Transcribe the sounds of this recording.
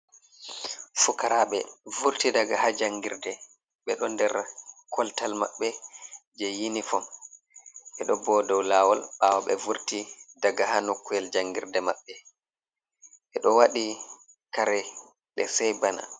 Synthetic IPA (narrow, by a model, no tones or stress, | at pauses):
fukaɾaɓɛvuɾtidaɡahad͡ʒaŋɡiɾdɛ | ɓɛɗɔndɛɾkʰɔltalma̰ɓːɛd͡ʒɛjinifɔ | ɓɛɗɔbɔdɔwlaːwɔlɓawɔɓɛvuɾtidaɡahanokːujɛld͡ʒaŋɡiɾdɛmaɓːɛ | ɓɛɗɔwaɗi | kaɾɛ | ɗɛsɛjbana̰